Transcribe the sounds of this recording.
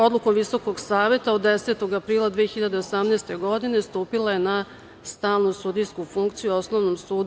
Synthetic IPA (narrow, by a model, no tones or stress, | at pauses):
o̞d̪lˠuko̞mʋiso̞ko̞ɡsaːʋe̞t̪aod̪ːese̞ːt̪o̞ɡapɾiːlˠad̪ʋiexçiʎad̪e̞osamneːst̪e̞ɡo̞d̪ine̞st̪uːpilˠajena | st̪aːlnusud̪ijskufuŋkt̪sijuo̞sno̞ʋnomsuːd̪